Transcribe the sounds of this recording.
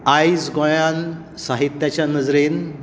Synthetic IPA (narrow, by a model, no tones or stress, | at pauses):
ajd͡zɡɔɭan | saɦit̪jat͡ɕjanəd͡zɾen